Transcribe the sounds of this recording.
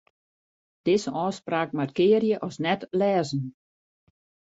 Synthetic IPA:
d̥ɪsəʔɔːspraːkmarkɪːəɾjəʔɔsnɛtlɛːzn̩

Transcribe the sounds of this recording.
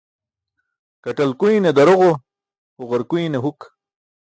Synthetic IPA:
kaʈalkujned̪ɐɾoʁo | oɣaɾkuineɦuk

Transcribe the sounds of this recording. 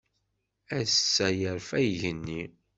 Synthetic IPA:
æsːæjəɾfæjʝənːi

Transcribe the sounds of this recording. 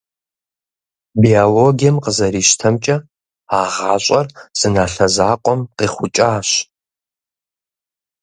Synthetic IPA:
bialoːɡijɛmqəzɐɾiːʃtʰɐmt͡ʃʼɐ | aːʁaːɕʼɐrz̥ɨnaːɬɐzaːqʷʼɔmqiːχʷʊt͡ʃʼaːɕ

